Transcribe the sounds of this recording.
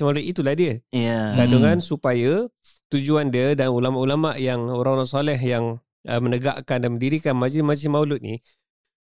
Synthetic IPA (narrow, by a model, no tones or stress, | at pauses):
malut̪it̪ulahdiəaɡaduŋansupajə | t̪ud͡ʒuandiədanulamaʔulamaʔjaŋoɾãŋoɾaŋsalɛɦjaŋ | ə̰mənəɡa̰ʔkandanmə̃ndiɾikanmad͡ʒimasimaulʊt̪̚nḭ